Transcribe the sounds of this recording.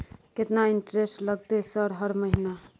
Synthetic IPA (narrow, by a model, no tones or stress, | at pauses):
ket̪naiɳʈɾesʈləɡt̪esəɾɦəɾməɦina